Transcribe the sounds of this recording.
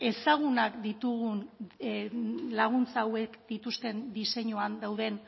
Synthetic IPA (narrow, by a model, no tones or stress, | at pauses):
e̞saɣ̞unakd̪it̪uɣun | laɣ̞unt͡sawe̞kd̪̥it̪ust̪e̞nd̪ise̞ɲuand̪awð̞e̞n